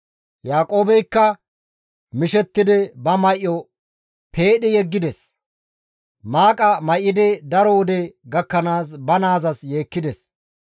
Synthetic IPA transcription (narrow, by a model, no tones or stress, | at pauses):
jaːkʼo̞ːbɛjkːɐ | mɪʃɛt̪ːɪd̪ɛbɐmɐʔːɔ | pʰe̞ːɗɪjɛɡːɪd̪ɛs | maːkʼɐmɐjːɪd̪ɛd̪ɐɾɔʊd̪ɛɡɐkːɐnaːsbɐnaːzɐsje̞ːkːɪd̪ɛs